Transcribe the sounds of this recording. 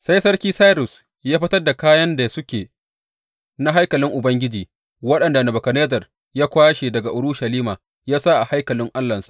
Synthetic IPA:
sa˦jsɐ˦rkʲiː˦sa˦ɾʊ˨s | jaː˦ɸɪ˦tɐ˦rda˨kaː˦jɐ˦nda˨sʊ˦kʲeː˨ | na˦ɦa˦jkɐ˨lɪ˦ŋʔʊ˨bɐ˦ŋɡʲɪ˦d͡ʒiː˨ | wɐ˦ɗɐ˨nda˨nɐ˨bɐ˨kɐ˨neː˦zɐ˨r | jaː˦kʷaː˦ʃe˨dɐ˨ɡa˨ʔʊ˨ɽʊ˦ʃɐ˨liː˦maː˨ | jaː˦sa˦ʔa˨ha˦jkɐ˨lɪ˦ŋʔa˦lːɐ˨nsḁ˨ʔ

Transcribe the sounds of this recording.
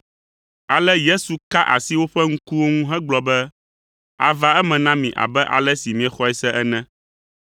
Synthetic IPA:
a˨lɛ˦je˦su˨ka˦ʔa̰˨si˦wo˦ɸɛ˦ŋ̩˦ku˦wo˦ŋũ˦ɦɛ̃˦ɡ͡blɔ˨bɛ˦ | a̰˨va˦ɛ˦mɛ̃˨nã˦mĩ˨ʔa̰˨bɛ˦ʔa̰˨lɛ˦si˨mĩ˨ɛ˨xɔ˦ɛ˦sɛ˦ʔɛ˦nɛ̃˦

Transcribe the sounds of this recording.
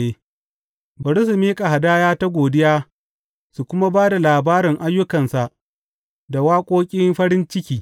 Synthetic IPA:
e˦ | bɐ˨ɽʊ˦su˨miː˦kʼa˨ɦa˨daː˦jaː˦ta˦ɡʷoː˨dɪ˦jaː˦ | su˨kʷʊ˦ma˦baː˦da˨laː˨baː˦ɾɪ˨ŋʔa˦jːʊ˦kɐ˨nsa˨ʔ | da˨waː˦kʷʼoː˦kʲʼɪ˦mɸɐ˦ɾɪ˦nt͡ʃɪ˦kʲiː˨

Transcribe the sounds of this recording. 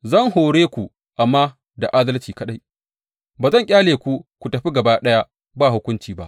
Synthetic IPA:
zɐ˦˨ŋhoː˨ɽeː˦kʷu˨ | ʔa˨mːaː˦ | da˨ʔaː˦dɐ˦lt͡ʃiː˨kɐ˦ɗa˦j | baː˨zɐ˦˨ŋkʲʼaː˦leː˨kʷu˦kʷu˨tɐ˨ɸi˦ɡɐ˨baː˦ɗɐ˦ja˦ | baː˦˨hʊ˦kʷʊ˦nt͡ʃiː˨ba˦ʔ

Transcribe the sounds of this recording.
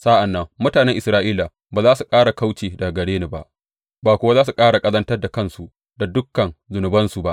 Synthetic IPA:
sa˦ʔa˨nːɐ˦ŋmʊ˦taː˨nɛ˦ŋʔɪ˨sɾaː˦ʔiː˦la˨ | baː˨zaː˦su˨kʼaː˦ɽa˨ka˦wt͡ʃeː˨da˨ɡɐ˨ɽeː˦ni˨ba̰˦ʔ | baː˨kʷʊ˦wa˦zaː˦s̬u˨kʼaː˦ɽa˨kʼɐ˦zɐ˦ntɐ˦rda˨kɐ˦nsu˨ʔ | da˨dʊ˦kːɐ˨nzʊ˨nʊ˨bɐ˦nsu˨ba˦ʔ

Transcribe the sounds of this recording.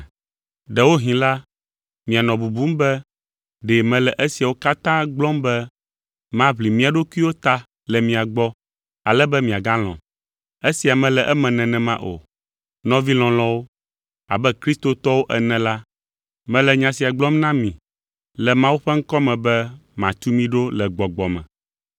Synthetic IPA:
ɖɛ˨wo˦ɦĩ˨la˦ | mĩ˨a˨nɔ̃˨bu˨bu˦mbɛ˦ | ɖɛ˨mɛ̃˨lɛ˨ʔɛ˦si˨a˨wo˦ka˦t̪ã˦ɡ͡blɔ̃˦mbɛ˦ | mã˦βli˨mĩ˦a˨ɖo˦ku˦i˦wo˦t̪a˨ | lɛ˨mĩ˨a˨ɡ͡bɔ˦ | a˨lɛ˦bɛ˦mĩ˨a˨ɡã˦l̃ɔ̰̃˨ | e˦si˨a˨mɛ̃˨lɛ˨ʔɛ˦mɛ̃˨nɛ̃˨nɛ̃˨mã̰˦ʔo̰˨ | nɔ̃˦vi˦l̃ɔ̃˨l̃ɔ̃˦wo˦ | a̰˨bɛ˦kɾi˦st̪o˨t̪ɔ˦wo˦ʔɛ˨nɛ̃˨la˦ | mɛ̃˨lɛ˨ɲã˨si˨a˨ɡ͡blɔ̃˦mnã˦mĩ˨ | lɛ˨mã˦wu˦ɸɛ˦ŋ̩˦kɔ˦mɛ̃˨bɛ˦mã˨t̪u˦mĩ˦ɖo˦lɛ˨ɡ͡bɔ˨ɡ͡bɔ˨mɛ̰̃˨

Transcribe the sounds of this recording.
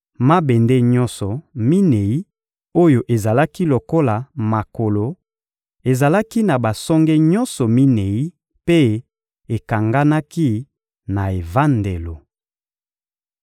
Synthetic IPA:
ma˦be˨nde˦ɲɔ̃˦nsɔ˨mi˦ne˨i˦ | o˦jo˨ʔe˨za˨la˦ki˦lo˨ko˦la˨ma˨ko˨lo˨ | e˨za˨la˦ki˦na˨ba˨sɔ˦ŋɡɛ˦ɲɔ˦nsɔ˨mi˦ne˨i˦ | pe˦ | e˨ka˨ŋɡa˦na˦ki˦ | na˨e˨va˦nde˨lo˨

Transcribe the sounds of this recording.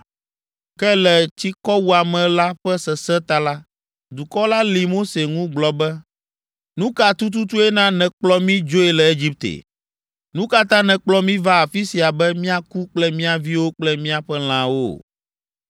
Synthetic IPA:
kɛ˦lɛ˨t͡ɕi˦kɔ˦wu˦a˨mɛ̃˨la˦ɸɛ˦sɛ˨sɛ˦t̪a˦la˦ | d̪u˨kɔ˦la˦li˨mo˦se˨ŋũ˦ɡ͡blɔ˨bɛ˦ | nũ˦ka˨t̪u˦t̪̬u˦t̪u˦ɛ˦nã˦nɛ̃˨k͡plɔ˦mĩ˦d͡ʒo˦ɛ˨lɛ˨e˦d͡ʑi˦p̚t̪ḛ˨ | nũ˦ka˦t̪ã˦nɛ̃˨k͡plɔ˦mĩ˦va˦a˨fi˦si˨a˨bɛ˦mĩ˦a˨ku˦k͡plɛ˦mĩ˦a˨vi˦wo˦k͡plɛ˦mĩ˦a˨ɸɛ˦l̃ã˨wo̰˦˨

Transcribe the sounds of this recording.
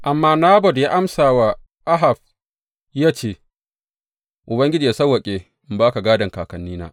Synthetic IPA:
ʔa˨mːaː˦naː˦bɔ˨dja˦ʔa˦msaː˨wa˦ | ʔa˦ɦa˨b̚ | jaː˦t͡ʃeː˦˨ | ʔʊ˨bɐ˦ŋɡʲɪ˦d͡ʒiː˨a˨sɐ˦wɐ˨kʲʼeː˨ | ɪ˦mbaː˦ka˨ɡaː˦dɐ˨ŋkaː˨kɐ˨nːiː˦na̰ː˦

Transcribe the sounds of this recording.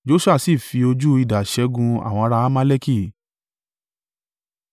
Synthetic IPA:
d͡ʒo˦su˦a˦˨si˦˨fi˧o˧d͡ʒu˦i˧da˨ʃɛ˧˦ɡũ˧a̰˨w̃ɔ̃˧ɔ˧ɾa˧˦ma˦le˦ki˦˨

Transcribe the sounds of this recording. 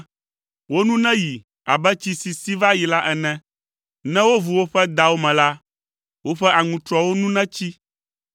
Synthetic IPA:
wo˦nũ˦nɛ̃˦ji˨ | a̰˨bɛ˦t͡ɕi˦si˨si˦va˦ji˨la˦ʔɛ˨nɛ̃˦ | nɛ̃˦wo˦vu˨wo˦ɸɛ˦d̪a˨wo˦mɛ̃˨la˦ | wo˦ɸɛ˦ʔa˨ŋũ˨t̪ɾɔ˦wo˦nũ˦nɛ̃˦t͡ɕi˦

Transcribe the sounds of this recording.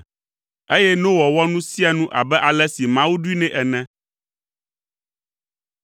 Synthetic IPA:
e˦jɛ˦nõ˦wɔ˨wɔ˦nũ˦si˦a˨nũ˦ʔa̰˨bɛ˦ʔa˨lɛ˦si˨mã˦wu˦ɖu˦i˦nɛ̃˦ʔɛ˨nɛ̃˦

